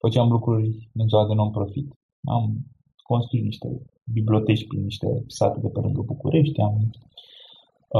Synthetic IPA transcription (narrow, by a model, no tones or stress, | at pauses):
fət͡ʃeamlukɾurʲɨnzaad̪enuampɾo̞fit̪ | nʔa̰m | ko̞nst̪ɾuit̪niʃt̪e̞̰ | biblʲio̞t̪e̞t͡ʃʲpɾinːiʃt̪e̞̰sa̰t̪ed̪e̞pelɨŋɡəbukṵɾʔe̞ʃt̪ʲam